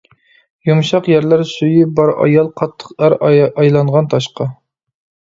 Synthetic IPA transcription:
jumʃɑqjæɾlæɾsujibɑɾɑ̰jɑlˠqʰɑt̪ʰːə̥qæɾɑjlˠɑŋʁɑnt̪ʰɑʃqɑ

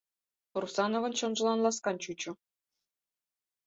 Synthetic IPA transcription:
rusɑnŏvɤ̆nɕɤ̆nʐɤ̆lˠɑnlˠɑskɑnt͡ɕut͡ɕŭ

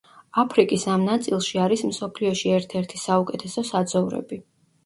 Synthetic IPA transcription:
apʰɾikʼisamnat̪sʼilˠʃiaɾismsɔpʰliɔʃiɛɾt̪ʰɛɾt̪ʰisaukʼɛt̪ʰɛsɔsad̪zɔvɾɛ̰bi

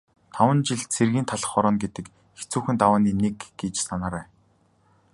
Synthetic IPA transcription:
t̪ʰawə̆nt͡ɕiɮt͡sʰerɣiːnt̪ʰaɮə̆χɔɾɞ̆nɡet̪ɘ̆k | xet͡suːxɘ̆nt̪awaːniːnekɡet͡ɕsanaːɾæː

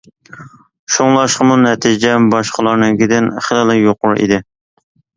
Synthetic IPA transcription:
ʃoŋlˠɑʃqəmunɛt̪ʰid͡ʒɛbɑʃqəlˠɑɾnɨŋɡʲɪd̪ɪnχɪlˠɨlˠɨjoqʊɾʔḭd̪ɪ

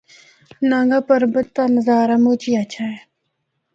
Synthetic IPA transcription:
nãŋɡapəɾbət̪ːanəzaːɾamoːt͡ʃiat͡ʃʰae

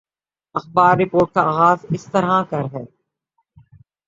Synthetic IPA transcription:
ɐxbaːɾːɪpoːɾʈ̚kaaːɣaːzɪst̪əɾɦãkɐɾɦɛː

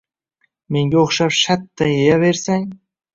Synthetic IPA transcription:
meŋɡʲeoχʃɑpʃat̪ːajejaveɾsæŋ

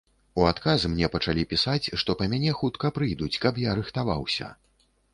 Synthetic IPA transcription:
uat̪kazɨmnʲɛpɐt͡ʂalʲipʲisat͡sʲʂt̪ɔpɐmʲanʲɛxut̪kɐpɾɨjd̪ut͡sʲkɐpjaɾɨxt̪avawsʲɐ̰

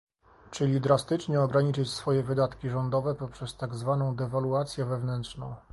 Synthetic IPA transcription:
t͡ʂɘlʲid̪ɾast̪ɘt͡ʂɲɛɔɡɾaɲit͡ʂɘt͡ɕsfɔjɛvɘd̪at̪kʲiʐɔnd̪ɔvɛpɔpʂɛst̪aɡzvanɔ̃w̃d̪ɛvaluat̪sʲjɛvɛvnɛntʂnɔ̰̃w̃

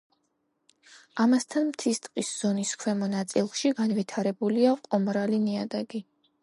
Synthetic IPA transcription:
amast̪ʰanmt̪ʰist̪ʼqʼisz̥ɔniskʰwɛmɔnat̪sʼilˠʃiɡanvit̪ʰaɾɛbuliaqʼɔmɾaliniad̪ɛɡi

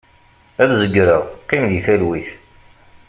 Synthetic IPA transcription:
æðzəɡːɾəʁqːimðiθælwiθ

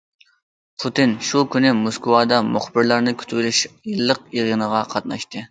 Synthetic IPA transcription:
pʰut̪ɨnʃukʲynɪmoskʊwɑːd̪ɑmuχbɪɾlˠɑɾnɨkʲʰy̥t̪ʰwlyʃjɨlˠːəq̚eʁənəʁɑqʰɑt̪̚nɑʃt̪ɨ

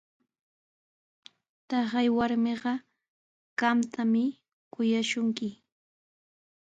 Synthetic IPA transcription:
t̪ɑχɑjwaɾmɪɢɑ | ɢ̥ɑmt̪ʰamɪ | kʊjaʃʊŋkɪ

